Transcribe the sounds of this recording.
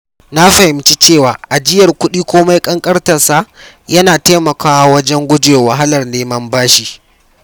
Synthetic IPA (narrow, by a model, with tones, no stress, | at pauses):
na˦ɸɐ˨hɪ˨mt͡ʃi˦t͡ʃeː˦˨waː˨ʔa˨d͡ʒɪ˦jɐ˨rkʷʊ˦ɗiː˦kʷoː˦ma˦jkʼɐ˦ŋkʼɐ˦rtɐ˨sa˦ | jɐ˦naː˨teː˦mɐ˨kaː˦wɐ˦d͡ʒɛ˦ŋɡʷʊ˦d͡ʒeː˨wɐ˨ɦa˦lɐ˨rneː˦mɐ˦mbaː˦ʃi˨